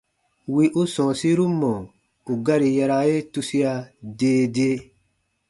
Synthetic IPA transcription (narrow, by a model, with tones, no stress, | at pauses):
wi˧ʔu˦sɔ̃˨si˦ɾu˦mːɔ̃˨ | u˨ɡa˦ɾi˨ja˧ɾa˧je˦tu˧si˦a˧deː˦deː˦